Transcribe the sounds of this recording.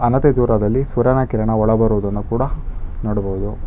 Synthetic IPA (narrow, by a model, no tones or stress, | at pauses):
ɐnɐt̪ed̪uːɾɐd̪ɐlːisʋɐɾɐnɐkiɾɐɳɐɔɭɐbɐɾuʋd̪ɐnːukuːɽɐnoːɽɐbɔɦud̪u